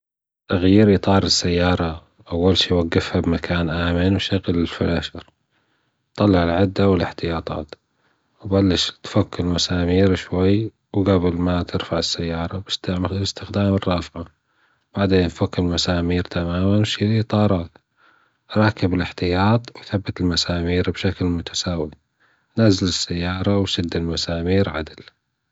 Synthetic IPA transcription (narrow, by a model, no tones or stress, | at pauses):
t̪aɣjiːɾʔɨt̪ˤɑːɾˤɪsːajːɑːɾˤɑ | ʔawːalʃiːwaɡːɪfhabmakʰaːnʔaːmɪnwʃaɣlɪlfɪlaːʃɑɾˤ | t̪ˤːɑlːɪʕɪlʕɪd̪ːawɪlɪħt̪ɪjɑːt̪ˤɑ̰ːt̪ | wbalːɪʃt̪fakːɪlmasaːmiːɾʃwajː | wɡabɪlmat̪ɪɾfaʕɪsːajːɑːɾˤɑbɪst̪bɪst̪ɪxd̪aːmɪrˤːɑːfʕa | b̥aʕd̪eːnt̪fakːɪlmasaːmiːɾt̪amaːmanwʃiɾit̪ˤɑːɾˤɑːt̪ | ɾˤɑːkɪbɪlɪħt̪ɪjɑːt̪ˤwθabːat̪ɪlmasaːmiːɾbʃaklmʊt̪ʰḁsaːwi | nazːalɪsːajːɑːɾˤɑwsɪd̪ːɪlmasaːmiːɾʕa̰d̪ɪl